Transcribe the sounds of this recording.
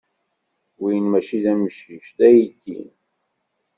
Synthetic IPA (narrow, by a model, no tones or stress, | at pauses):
wijənmæʃiðæmʃiʃdæjid̪ḭn